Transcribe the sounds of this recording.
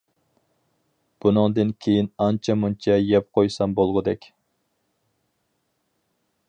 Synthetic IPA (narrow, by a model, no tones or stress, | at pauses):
b̥unɨŋd̪ɨnkʲʰejinɑnt͡ʃʰɛmunt͡ʃʰɛjɛp̚qʰojsɑmbolˠʁʊd̪ɛkʲ